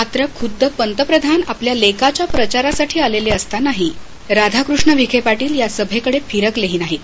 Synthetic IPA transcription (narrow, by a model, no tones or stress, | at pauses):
mat̪ɾəkʰud̪ʱːəpənt̪əpɾəd̪ʱanapljalekat͡ɕjapɾət͡ɕaɾasaʈʰiːaleleəst̪anaɦi | ɾad̪ʱakɾuʂɳəʋikʰepaʈiːljasəbʱekəɽefʰiɾəkleɦiːnaɦit̪